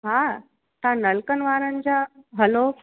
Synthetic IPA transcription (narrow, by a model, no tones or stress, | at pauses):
ɦã | t̪ãnəlkənʋaɾəɲt͡ɕaɦəlo